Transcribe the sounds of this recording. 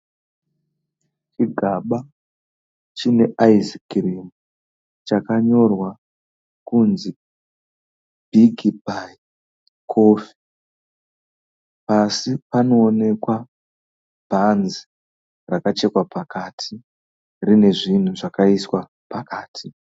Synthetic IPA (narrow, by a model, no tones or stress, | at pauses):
t͡ʃiɡʱaɓa | t͡ʃine̞ʔaizikirimu | t͡ʃakaɲo̞rwa | kunzi | bʱiɡʱibʱai | kʰoːfi̥ | pasipano̞ːne̞kwa | b̥ʱanzi | rakat͡ʃe̞kwapakatʰi | rine̞ʐin̤uʐakaiswa | pakaːtʰi